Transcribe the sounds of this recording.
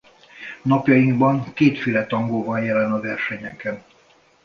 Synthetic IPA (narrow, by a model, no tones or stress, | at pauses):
nɒpjɒjiŋɡbɒŋkeːt̪fylɛt̪ɒŋɡoːvɒnjɛlɛnɒvɛrʃɛɲɛkɛn